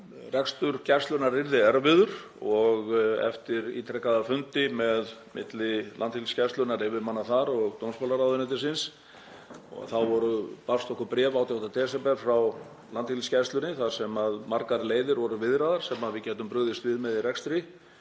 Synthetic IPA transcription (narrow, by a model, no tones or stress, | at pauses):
rɛkst̪ʏɾ̥cɛrst̪lʏnaɾːɪɾðɪɛɾvɪðʏɾ̥ | ɔɣɛ̰ft̪ɪɾḭːt̪ʰɾɛkːaðaɾfʏnt̪ɪmɛðmʔɪ̰t̪lɪlant̪hilscḁst̪lʏnaɾɪvɪmanːaθaɾɔɣt̪ownspɔwlaɾawðʏnɛt̪ɪsɪns | ɔ̰ɣθawvɔɾʏpafst̪ɔhkʏpɾɛːvawt̪jaht̪at̪ʰɛːsɛpɛɾ̥fɾaw | lant̪hilscḁst̪ʏnɪθaðsɛmaðmaɾkaɾleːjðɪɾvɔɾʏvɪðɾaðaɾ̥sɛmaðvɪðcɛːt̪ʏmpɾʏɣðɪst̪vɪðmɛðirɛkst̪ɾi